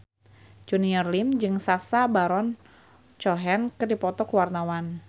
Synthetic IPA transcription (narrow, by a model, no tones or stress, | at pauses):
d͡ʒuniərlimd͡ʒɨŋsasabaɾɔn | t͡ʃɔɦɛnkɨrdipɔt̪ɔkəwarnawan